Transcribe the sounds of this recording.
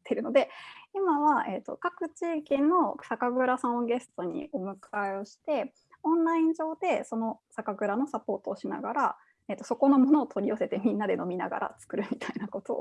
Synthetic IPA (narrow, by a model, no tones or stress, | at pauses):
t̪ːeɾɯ̟no̞d̪e̞imaβae̞t̪ːo̞̰kakɯ̟t͡ɕiːkʲĩnːo̞sakaɡɯ̟ɾasãɰɡe̞sɨ̥t̪o̞ɲ̟ḭo̞mɯ̟kʰaeo̞ɕi̥t̪e̞ | õ̞nɾaĩɲ̟d͡ʑo̞ːd̪e̞so̞no̞sakaɡɯ̟ɾano̞sapo̞ːt̪o̞ːɕina̰ɡaɾa | et̪ːo̞so̞ko̞no̞mo̞no̞ːt̪ʰo̞ɾʲiose̞t̪emʲĩnːad̪e̞no̞mʲina̰ɡa̰ɾa̰t͡sɨ̥kɯ̟ɾɯ̟mʲit̪ʰainako̞t̪o̞̰